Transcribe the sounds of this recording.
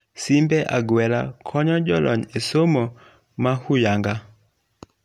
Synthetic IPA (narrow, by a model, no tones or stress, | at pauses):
simbɛʔaɡwɛɾa̰kʰɔɲɔd͡ʒɔlɔ̰ɲesomo | mahujaŋɡa